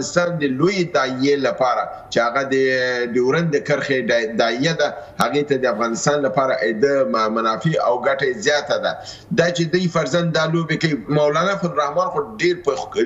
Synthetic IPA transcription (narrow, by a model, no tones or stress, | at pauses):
ɪst̪ɑnd̪əlojed̪ɑijelapɑɾa | t͡ʃehaɣad̪əɖ̪əwɾand̪əkəɾxed̪ɑijad̪ahaɣet̪ad̪əafɣɑnɪst̪ɑnlapɑɾaʔed̪əmanɑfeawɡaʈazjɑt̪ad̪a̰ | d̪ɑt͡ʃed̪ujfaɾzand̪ːɑlobekawimawlɑnafanɾahmɑnxoɖeɾp